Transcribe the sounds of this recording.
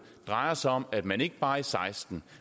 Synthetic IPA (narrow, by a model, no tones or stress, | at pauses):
d̥ʁɑ̈ɪɐsɒ̽mæd̥mæne̝ɡ̥əb̥ɑ̈ːisɑ̈ɪsd̥n̩